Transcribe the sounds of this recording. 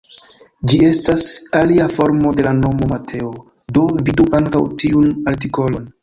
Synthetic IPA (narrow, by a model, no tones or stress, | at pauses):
d͡ʒie̞stasaliafo̞ɾmo̞de̞lano̞mo̞matʰe̞o | do̞viduʔaŋkawtiunaɾt̬iko̞lo̞n